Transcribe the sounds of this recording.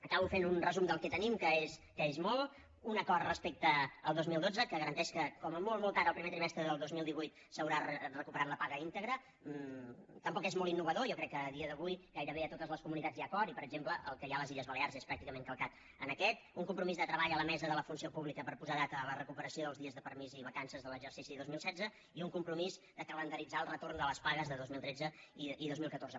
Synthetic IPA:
əkaβufenunrəzumd̪əlˠkɛt̪ənimkəeskəezmɔlˠ | unəkɔrrəspek̚t̪əːlˠd̪ozmilˠd̪od͡zəkəɣəɾənt̪ɛʃkəkɔməmolˠmɔlˠt̪aɾəlˠpɾimet̪ɾimɛst̪ɾəðəlˠd̪ozmilˠd̪iβujt̪ | səwɾarəkupəɾat̪ləpaɣəint̪əɣɾə | t̪əmpɔkezmɔlˠinːuβəðojɔkɾɛkːəːðiəðəβujɡajɾəβeət̪ot̪əzləskumunit̪ad͡zjakɔɾipəɾəɡʒempləʔəlˠkəjaləziʎəzβəlearzespɾak̚t̪ikəmẽŋkəlˠkat̪ | ənəkɛt̪uŋkumpɾumizðət̪ɾəβaʎələmɛzəðələfunsiopuβlikəpəɾpuzaðat̪əːlərəkupəɾəsioðəlˠzðiəzðəpəɾmiziβəkansəzðələɡʒərsisiðozmilˠsɛd͡zə | iuŋkumpɾumizd̪əkələnd̪əɾid͡zaəlˠrət̪ornd̪ələspaɣəzðəðozmilˠt̪ɾed͡zəiiðozmilˠkət̪orzə

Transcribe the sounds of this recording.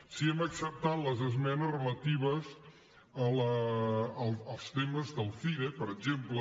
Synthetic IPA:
siɛməksəp̚t̪at̪ləzəzmɛnəzrələt̪iβ̞əz | ələ | lˠəlˠst̪eməzðəlˠfiɾepəɾəɡʒemplə

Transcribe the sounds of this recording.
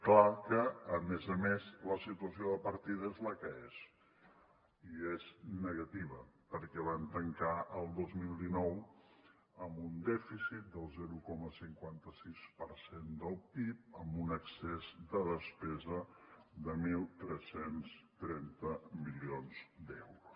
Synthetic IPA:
klakəːmɛzəmezləsit̪uəsioðəpəɾt̪iðezləkəez | ieznəɣət̪iβ̞əpəɾkɛβant̪əŋkaəlˠd̪ozmilˠd̪inɔw | əmbund̪ɛfisit̪̚d̪əlˠzɛɾukɔməsiŋkwant̪əsispəɾsend̪əlˠpip̚əmbunəksezd̪əðəspɛzəðəmilˠt̪ɾɛsenst̪ɾɛnt̪əmilionz̥d̪ɛwɾus

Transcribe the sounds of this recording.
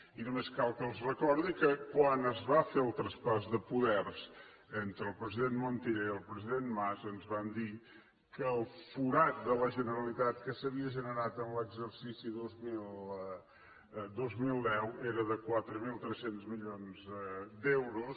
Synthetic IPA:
inumeskalˠkəlˠzrəkɔɾðikəkwanəzβafeɾlˠt̪ɾɐspasðəpuðɛɾz | ent̪ɾəlˠpɾəziðẽnt̪mõnt̪iɾelˠpɾəziðẽnt̪mazənzβand̪iɾ | kəːlˠfuɾat̪̚d̪ələʒənəɾɐlˠit̪at̪kəsəβiəʒənəɾat̪ə̃nləɡzəɾsisiðozmilˠ | d̪ozmilˠd̪ɛwɛɾəðəkwat̪ɾəmilˠt̪ɾɛsent̪zmiʎonzɛd̪ewɾus

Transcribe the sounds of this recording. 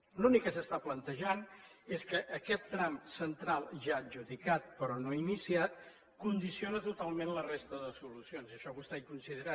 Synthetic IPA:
lunikːəsəst̪aplənt̪əʒaneskəʔːkɛt̪ːɾamsənt̪ɾalˠʒaəʒuðikat̪̚pəɾɔnoinisiat̪̚ | kund̪isionət̪ut̪alˠmẽnlərest̪əðəsulusionziəʃɔβust̪ajkunsiðəɾa

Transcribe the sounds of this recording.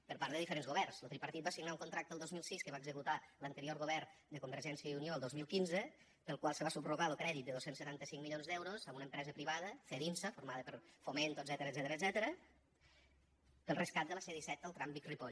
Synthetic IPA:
pəɾpaɾðəðifəɾenzɣoβɛrnslot̪ɾipəɾt̪it̪basiɣnauŋkunt̪ɾak̚t̪əlˠdozmilˠsiskəβaeɡzəkut̪alənt̪əɾioɾɣoβ̞ɛrd̪əkumbəɾʒɛnsiəunioəlˠd̪ozmilˠkinzə | pəlˠkwalˠsəβasubruɣaəlˠkɾɛðit̪̚d̪əðosensːət̪ant̪əsiŋmiʎjonzðɛwɾozəunəmpɾɛzəpɾiβaðəfeðinsəfuɾmaðəpəɾfoment̪od̪zɛt̪əɾəd̪zɛt̪əɾəːd̪zɛt̪əɾə | pəlˠrəskat̪̚d̪ələseðisɛt̪əlˠt̪ɾambikripoʎ

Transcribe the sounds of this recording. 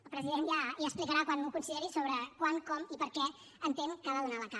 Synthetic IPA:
əlˠpɾəziðenjajaːsplikəɾakwanmukunsiðeɾisoβɾəkwaŋkɔmipəɾkɛ | ənt̪eŋkəβaðunaləka

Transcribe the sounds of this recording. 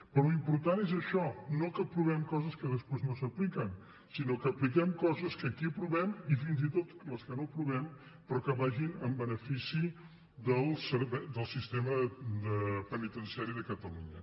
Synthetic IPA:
pɾɔimpuɾt̪anezəʃɔnokəpɾuβ̞ɛmkɔzəskəðəspeznosəplikən | sinokəːplikɛmkɔzəskəːkipɾuβɛmifinzit̪ot̪ləskənopɾuβɛm | pɾɔkəβaʒinəmbənəfisi | ðəlˠsəɾβɛd̪əlˠsist̪eməd̪əpənit̪ənsiaɾiðəkət̪əlṵɲə

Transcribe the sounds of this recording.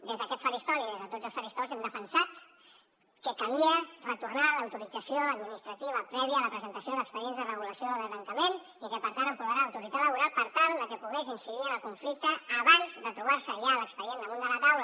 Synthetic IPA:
d̪ezðəkɛt̪sfəɾist̪ɔɾiðezðət̪od͡zəlˠsfəɾist̪ɔlzɛmd̪əfənsat̪ | kəkəliərət̪urnaləwt̪uɾid͡zəsioəd̪minist̪ɾət̪iβ̞əpɾɛβiəːləpɾəzənt̪əsioðəkspəɾiɛnzðərəɣuləsioðət̪əŋkəmen | ikəpəɾt̪anəmpuðɾaːwt̪uɾialəβuɾalˠpəɾt̪alˠd̪əkəpuɣɛzinsiðiənəlkuɱflik̚t̪əːβanzðət̪ɾuβaɾsəʒaləkspəɾiend̪əmõnd̪ələt̪awlə

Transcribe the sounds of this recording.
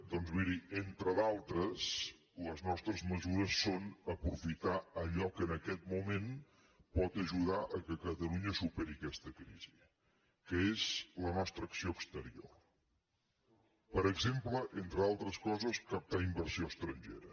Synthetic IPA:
d̪ɔnzβiɾient̪ɾəðalˠt̪ɾəs | ləznɔst̪ɾəzməzuɾəsːonəpɾufit̪aəʎɔkəːnəkɛt̪̚mumen | pɔt̪əʒuðaʔəkəkət̪əluɲəsupɛɾikɛst̪əkɾiz̥i | kəezlənɔst̪ɾəːksioəkst̪əɾio̰ | pəɾəɡzempləʔent̪ɾəðalˠt̪ɾəskɔzəskəp̚t̪aimbəɾsioəst̪ɾəɲʲʒḛɾə

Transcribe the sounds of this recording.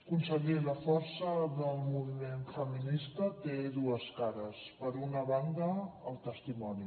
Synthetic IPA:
kunsəɣiləfɔɾsəðəlˠmuβimenfəminist̪ət̪eðuəskaɾəspəɾunəβand̪əːlˠt̪əst̪imɔni

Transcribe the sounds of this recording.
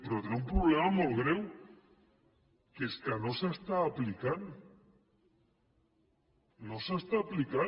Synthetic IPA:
pɾot̪ɾaumpɾuβlɛmamolɣɾɛw | keskanosast̪aːplikan | osast̪aːplika

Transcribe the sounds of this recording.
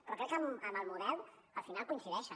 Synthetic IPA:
pɾokɛekəməməlˠmuðɛlˠəlfinalˠkuinsiðɛʃə

